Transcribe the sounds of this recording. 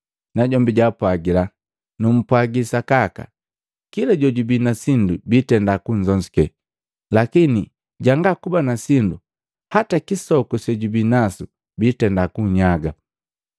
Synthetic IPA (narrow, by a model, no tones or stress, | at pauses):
naɟɔmbiɟapwaɡila | num̩pwaɡisakaka̰ | kilaɟɔɟubinasindubiːtɛndakuɲd͡ʒɔɲzikɛ | lakini | ɟaŋɡakubanasindu | hatakisɔkusɛɟubinasu | biːtɛndakuɲaɡa